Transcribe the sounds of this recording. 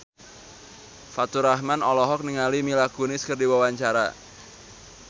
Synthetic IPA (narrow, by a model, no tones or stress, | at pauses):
fat̪uɾahmanɔlɔɦɔk̚niŋalimilaɡ̥unɪskərdiwawaɲt͡ʃaɾa̰